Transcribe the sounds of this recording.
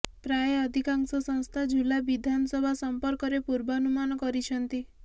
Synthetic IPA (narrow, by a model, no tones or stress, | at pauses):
pɾaeɔd̪ʱikaŋsɔsɔ̃ŋst̪ʰad͡ʒʱulabid̪ʱanɔsɔbʱasɔmpɔɾkɔɾepuɾbɔnumanɔkɔɾit͡ʃʰɔnt̪i